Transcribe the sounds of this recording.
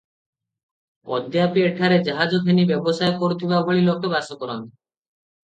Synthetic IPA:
ɔ̰d̪japieʈʰaɾed͡ʒaɦad͡ʒokʰenibɛbɔsaekoɾut̪ʰibaboɭilɔk̚kɔbasɔkɔɾɔn

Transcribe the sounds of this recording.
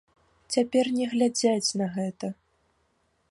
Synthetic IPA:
t͡sʲapʲɛrnʲɛɣlʲad͡zʲat͡sʲnɐɣɛt̪ɐ

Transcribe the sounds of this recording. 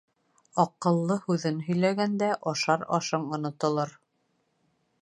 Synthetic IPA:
ɑqɤ̆lˠːɤhʉðɘnɦɵ̆jlæɡænd̪æʔɑʃɑɾɑ̰ʃɤɴŏnŏt̪ŏlˠɤɾ

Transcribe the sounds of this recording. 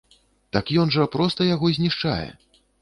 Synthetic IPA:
t̪akjɔnʐɐpɾɔst̪ɐjaɣɔzʲnʲiʂt͡ʂa̰jɛ̰

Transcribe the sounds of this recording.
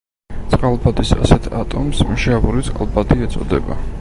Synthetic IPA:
t̪sʼqʼalˠbad̪isa̰sɛt̪ʰat̪ʼɔmsmʃavuɾit̪sʼqʼalˠbad̪iɛt̪sʼɔ̰d̪ɛba̰

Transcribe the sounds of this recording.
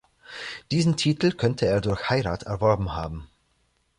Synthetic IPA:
d̥iːzn̩tʰiːtl̩kʰœntʰəeːɐdʊɐçhaɪʁaːtʰɛɐvɔɐbm̩haːbm̩

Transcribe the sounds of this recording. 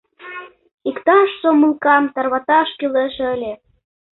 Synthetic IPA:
ikt̪ɑʃsomulkɑmt̪ɑrβɑt̪ɑʃkyleʃəlʲe

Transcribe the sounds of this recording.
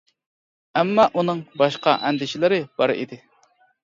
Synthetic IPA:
ɛmːɑʔunɨŋbɑʃqɑʔɛnd̪ɪʃɪlɪɾɪb̥ɑɾḭd̪ɪ

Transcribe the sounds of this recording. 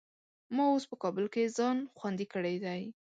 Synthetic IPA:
mɑospəkɑbʊlkezɑnxwand̪ikəɽejd̪aj

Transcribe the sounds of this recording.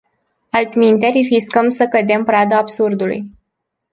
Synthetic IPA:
alt̪mint̪eɾifiskəmsəkəd̪e̞mpɾad̪aːbsurd̪ulṵj

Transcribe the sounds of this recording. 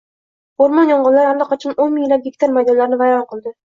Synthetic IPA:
oɾmɒnjɒɴʁɑlˠːaɾallːɑqʰɑt͡ʃʰɑnonmɪŋlap̚ɡʲekʲt̪ʰaɾmajd̪ɒlaɾɪnɪvajɒnqʰɨlˠd̪ɪ

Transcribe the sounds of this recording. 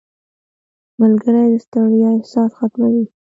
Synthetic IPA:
malɡəɾajd̪əst̪aɽjɑɪhsɑsxat̪mawi

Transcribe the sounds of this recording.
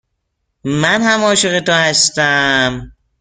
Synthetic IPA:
mænhæmɒːʃeɣet̪ohæst̪æm

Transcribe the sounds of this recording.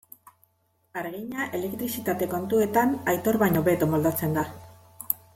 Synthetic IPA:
aɾɣiɲaʔe̞le̞k̚t̪ɾisit̪at̪e̞ko̞nt̪ue̞t̪anajt̪o̞ɾβajɲo̞be̞t̪omold̪at͡se̞nd̪a

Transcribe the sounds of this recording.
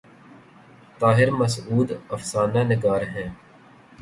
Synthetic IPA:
t̪aːɦɪɾməsuːd̪ɐfsaːnanɪkaːɾɦɛ̃ː

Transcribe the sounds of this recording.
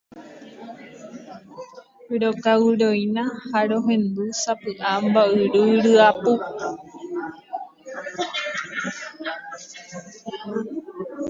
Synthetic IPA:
ɾokawɾojnãhaɾoɦẽ̞nd̪usapɨʔambaɨɾuɾɨapu

